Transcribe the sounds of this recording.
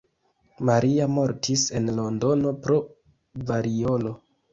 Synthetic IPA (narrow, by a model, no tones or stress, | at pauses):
maɾiamo̞ɾtʰise̞nlo̞ndo̞no̞pɾo̞ | vaɾio̞lo̞